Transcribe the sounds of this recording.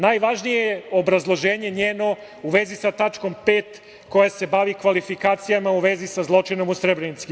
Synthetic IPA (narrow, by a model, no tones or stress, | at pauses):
naːjʋaʒnijeobɾazlˠo̞ʒe̞ːɲe̞ɲeːno̞ | uʋe̞zisat̪at͡ʃko̞mpe̞ːt̪ | ko̞jase̞baʋikʋalifikaːt̪sijamauʋe̞zisazlˠo̞t͡ʃino̞musɾebɾenit̪si